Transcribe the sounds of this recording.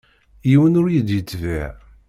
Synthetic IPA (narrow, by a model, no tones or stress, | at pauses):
jiwənʊɾjid̪jət͡sːvæʕ